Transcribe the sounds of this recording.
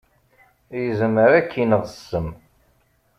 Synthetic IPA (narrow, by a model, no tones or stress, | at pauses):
jəzməɾækʰːinəðˤəsːəm